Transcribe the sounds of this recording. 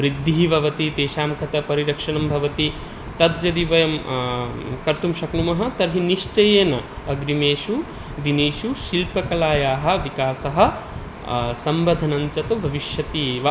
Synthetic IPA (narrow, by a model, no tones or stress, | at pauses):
ʋɾid̪ʱːiɦbʱɐʋɐt̪id̪eːʃaːmkɐt̪ɐpɐɾiɾɐkʂɐnɐmbʱɐʋɐt̪i | t̪ɐd̪d͡ʒɐd̪iʋɐjɐm | kɐɾt̪umʃɐknumɐɦɐ̆t̪ɐɾɦiniʂt͡ʃɐjeːnɐ | ɐɡɾimeːʃu | d̪ineːʃuʃilpɐkɐlaːjaːɦɐ̆ʋikaːsɐɦɐ̆ | sɐmʋɐd̪ʱɐnɐɲt͡ʃɐt̪ɐbʱɐʋiʃjɐt̪iːʋɐ